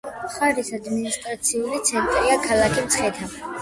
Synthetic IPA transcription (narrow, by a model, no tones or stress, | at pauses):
χaɾisad̪minist̪ʼɾat̪sʰiulit̪sʰɛnt̪ʼɾiakʰalˠakʰimt̪sʰχɛt̪ʰa